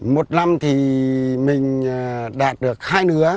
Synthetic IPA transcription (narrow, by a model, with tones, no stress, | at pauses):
mo˨˩t̚na˧mt̪ʰi˨˩mï˨˩ŋ̟ɗaː˨˩t̚ɗɨ˨˩ək̚haː˧jnɨ˨˦ə